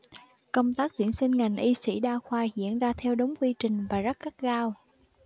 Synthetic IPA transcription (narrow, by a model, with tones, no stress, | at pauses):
kə˧wŋ͡mt̪aː˦˥k̚t̪wi˧˩ənsï˧ŋ̟ŋa˨˩jŋ̟ʔi˧sḭ˧˥ɗaː˧xwaː˧zḭ˧˨ənzaː˧t̪ʰɛ˧wɗə˨˦wŋ͡mkwi˧t͡ɕï˨˩ŋ̟vaː˨˩zə˦˥t̚ka˦˥t̚ɣaː˧w